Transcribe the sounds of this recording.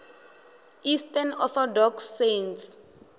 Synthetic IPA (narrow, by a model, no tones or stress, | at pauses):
istanɔθɔdɔksːents